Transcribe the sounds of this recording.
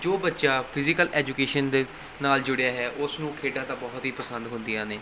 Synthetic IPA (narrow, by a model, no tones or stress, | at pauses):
d͡ʒoːbətːʃaːpʰɪzɪkəlʔɛːd͡ʒuːkeːʃənd̪eː | naːld͡ʒʊɽejaːɦɛːʔʊsnũːkʰeːɖãːt̪ãːbɔːʊt̪ɦiːpəsənd̪ɦʊ̃nd̪iːãːneː